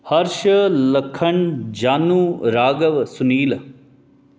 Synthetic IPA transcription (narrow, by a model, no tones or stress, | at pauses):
hɐɾʃələkʰəɳd͡ʒaːnuːɾaːɡəʋsʊniːl